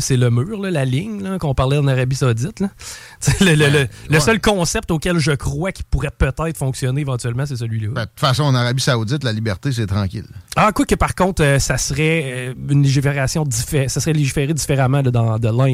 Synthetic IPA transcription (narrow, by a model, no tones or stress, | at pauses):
seləmʉːʁləlalɪɲləkɔ̃paʁlɛd̪ɑnaʁabisaod͡zɪt̪lə | t̪elələlələsœlkɔ̃ːsɛp̚t̪oːkʲɛlʒəkʁwakʲi̥puʁɛpət̪ɛɪt̪χfɔ̃ksjɔneevɑ̃t̪yɛlmãs̬ɛs̬əlɥilʌbɛt̪u̥t̪fasɔ̃ɑnaʁabisauzɪt̪lalibɛʁt̪es̬ɛt̪ʁɑ̃ːkʲɪ̰lakwakəpaʁkɔ̃t̪øsasʁɛynleʒifeʁasjɔ̃d̪ifesasʁɛleʒifeʁed̪ifeʁamãlʌd̪ɑ̃d̪əlã